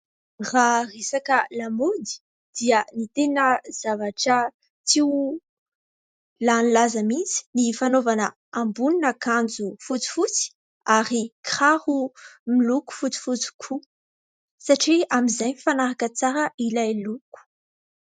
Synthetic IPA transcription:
raresakəlamod̪i̥ | d̪̥iənit̪enəz̥avaʈ͡ʂə | t͡si | lanlazəmit͡si̥nifanovanə | ambuninəkand͡zufut͡si̥fut͡si̥ | aɾikrahumiluku̥fut͡si̥fut͡si̥kʰu | saʈ͡ʂiamizajnifanaɾakət͡saɾəʔilajluku̥

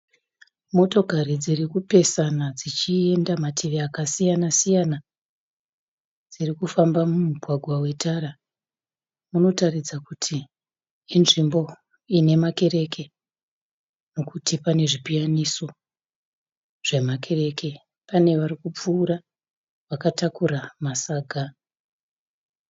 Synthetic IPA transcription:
mo̞to̞kaɾid͡zirikupe̞sanad͡zit͡ʃie̞ndamatʰiʋeakasijanasijana | d͡zirikufambamumuɡʱwaɡʱwawe̞tʰaɾa | muno̞tarid͡zakutʰiː | nʐimbo̞ | ine̞make̞ɾe̞kʰe̞ | no̞kutipane̞ʐipijaniso̞ | ʐ̥e̞makʰe̞ɾe̞ke̞ | pane̞ʋaɾikup͡fuːɾa | ʋakatakuɾamasaːɡʱa

